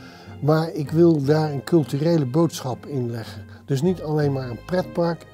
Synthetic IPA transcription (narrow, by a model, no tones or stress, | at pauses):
maːɹɪkʋɪlˠdaːɹənkɵlˠtyrejləbowtsχɑpɪnlɛχən | d̥ɵs̬nitɑlejnmaːɹənprɛt̚pɑɹk